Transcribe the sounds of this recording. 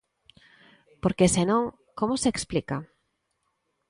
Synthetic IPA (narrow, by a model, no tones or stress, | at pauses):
poɾkesenõŋ | komʊseːksplika